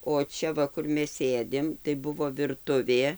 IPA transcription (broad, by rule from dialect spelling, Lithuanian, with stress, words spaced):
oː ˈt͡ʃʲɛ ˈʋɐ ˈkʊr ˈmʲɛs ˈsʲeːdʲɪm tɐɪ ˈbʊʋoː ʋʲɪrˈtʊʋʲeː